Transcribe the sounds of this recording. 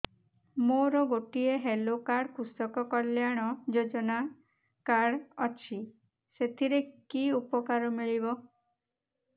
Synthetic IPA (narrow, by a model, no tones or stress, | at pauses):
moɾɔɡoʈieɦelokaɽkusɔkɔkɔljaɽ̃ɔd͡ʒod͡ʒɔna | kaɽɔt͡ʃʰi | set̪ʰiɾekiupɔkaɾɔmiɭibɔ